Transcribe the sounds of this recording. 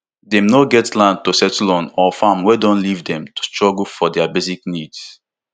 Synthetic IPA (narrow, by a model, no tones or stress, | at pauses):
dɛ̃mnoɡɛtlãn̚tosɛtlɔ̃nɔfãmwɛdɔ̃nlivdɛ̃mtu̥stɹɔɡl̩fɔdɛabeziknids